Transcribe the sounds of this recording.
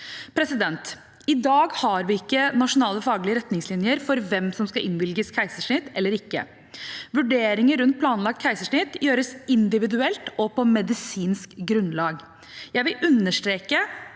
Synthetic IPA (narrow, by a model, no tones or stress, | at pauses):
pʰɾɛsɪd̪ɛnt̪ | ɪd̪ɑːɡhɑɾʋɪɪkːənɑʂʊnɑːləfɑːɡlɪəɾɛt̪nɪŋslɪnjəɾfɔɾʋɛmsɔmskɑʔɪnʋɪlɡəskʰæɪsəʂɳɪt̪ːɛlːəɾɪkːə̰ | ʋʉɖeːɾɪŋəɾʉnt̪̚pʰlɑːnlɑk̚t̪̚kʰæɪsəʂɳɪt̪ːjøːɾəsɪnd̪ɪʋɪd̪ʉɛlt̪ɔpɔmɛd̪ɪsiːnskɡɾʉnlɑːɡ | jæɪʋɪlʔʉnːəʂt̪ɾeːkə